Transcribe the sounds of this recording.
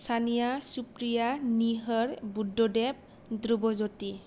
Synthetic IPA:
tʰanijasupɹijaniɦɔɹbudːɔdɛp̚ | dɾubɔzoti

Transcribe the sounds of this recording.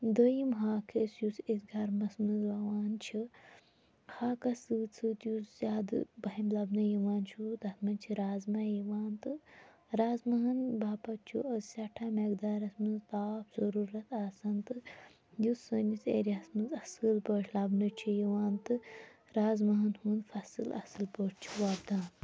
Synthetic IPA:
d̪əjimɦaːkʰesjusit̪ɡɐɾmɐsmɨzlɐʋaːnt͡ʃʰi | haːkɐsɨːt͡sʰɨt̪juszʲaːd̪bɐɦimlɐbnɐjiʋaːnt͡ʃʰud̪ɐt̪ʰmɐnt͡ʃʰiɾaːzmɐjiʋaːnt̪ɨ | ɾaːzmɐɦɐnbaːpɐt͡ʃʰṵɐzsʲɐʈʰaːmeɡd̪aːɾɐsmɨnzt̪aːpʰz̥ɐɾuːɾɐt̪aːsɐnt̪ɨ | jusənisḛːɾiɐsmɨnzɐsɨlpəʈʲʰlɐbnɐt͡ʃʰijiʋaːnt̪ɨ | ɾaːzmɐɦɐnhuːnfɐsɨ̰lɐ̰sɨlpəːʈt͡ʃʰuʋɐbd̪aːn

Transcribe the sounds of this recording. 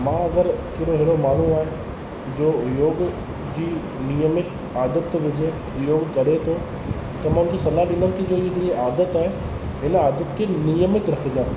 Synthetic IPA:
mãːɐɡəɾkɪɾoɦeɽomaːn̤uaːɦɪ̃ | d͡ʑoːjoːɡ | d͡ʑiː | nijəmɪt̪ | aːd̪ət̪ʋɪd͡ʑe | joːɡkɐɽ̤et̪ʰo | t̪ɐmãʊmtesɐlaɗɪnəm̆kʰed͡ʑoːieaːd̪ət̪aːɦẽ | ɦɪnaːd̪ət̪kenɪjəmɪt̪ɾɐkʰed͡ʑãː

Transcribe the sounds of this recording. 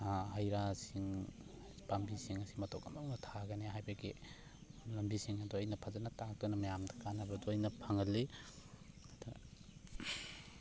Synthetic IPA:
aɦɐjɾasiŋ | pambisiŋɐsi̥mɐtʰokɐmdoŋnɐtʰaɡɐneɦajbɐɡi | lɐmbisiŋɐdɔɐjnɐpʰazanɐtakɯnɐmɐjamdɐ̥kanɐbɐdɔɐjnɐpʰaŋɐlːi | dɔ

